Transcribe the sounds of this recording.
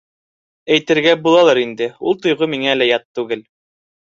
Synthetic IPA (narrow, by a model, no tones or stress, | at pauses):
æjt̪ɘ̆ɾɡæbulˠɑlˠɑɾind̪ɘulˠt̪ŏjʁɤmiŋælæjɑt̪ːʉɡɘl